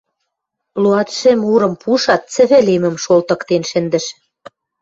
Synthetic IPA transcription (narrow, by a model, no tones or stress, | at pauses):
luɑt̪ʃɘ̆muɾɤ̆mpuʃɑt̪̚t͡sɘ̆βɘ̆lemɘ̆mʃolt̪ɤ̆kt̪enʃɘ̆nd̪ɘ̆ʃ